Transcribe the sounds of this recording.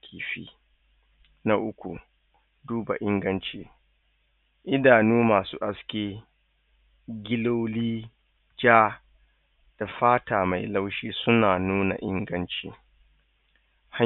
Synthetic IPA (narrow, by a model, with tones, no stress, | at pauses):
kʲʰiː˨ɸḭː˦ | na˦ʔʊ˦kʷṵ˨ | duː˦ba̰˨ʔɪ˦ŋɡɐ˦nt͡ʃeː˦ | ʔɪ˦daː˨nuː˦maː˨sṵː˦ʔa˦skʲeː˦ | ɡʲɪ˦lo˦wliː˦ | d͡ʒaː˦ | d̥a˨ɸaː˦taː˨ma˨jla˦wʃiː˦sʊ˦naː˨nuː˦na̰˨ʔɪ˦ŋɡɐ˦nt͡ʃḛː˦ | ha˦